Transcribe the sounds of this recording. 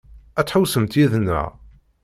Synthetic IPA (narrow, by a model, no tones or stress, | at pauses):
æt͡sːħʊwsəmt̪jiðnə̰ʕ